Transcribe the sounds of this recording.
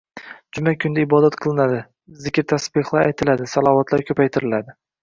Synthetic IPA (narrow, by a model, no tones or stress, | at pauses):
d͡ʒʊmakʲʰʊnd̪aɪbɒd̪at̪qʰɨlˠɪnad̪ɪ | zɪkʲɾt̪ʰasbɪχlˠaɾajt̪ʰɪlad̪ɪsalˠɒvat̪ʰlaɾkʰʲɵpʰajt̪ʰɪɾɪlad̪ɪ